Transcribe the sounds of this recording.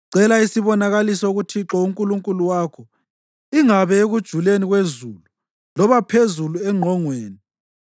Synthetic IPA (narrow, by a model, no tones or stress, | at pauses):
ǀɛlaisiβɔnaɣalisɔuɣutʰiǁɔuŋkʼuluŋkʼuluwaːkʰɔ | iŋaβɛeɣud̥ʒ̥ʱuleniɣwezulu | lɔβapʰezuluɛŋ͡ǃʱɔŋweːni